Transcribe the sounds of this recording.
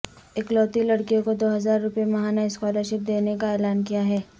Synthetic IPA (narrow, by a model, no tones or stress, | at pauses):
eklɔːt̪ilɐɽkijõkod̪oːɦɐzaːɾːʊpjemɐɦaːnaɪskwaːləɾʃɪp̚d̪eːnekaɛːlaːnkijaɦɛː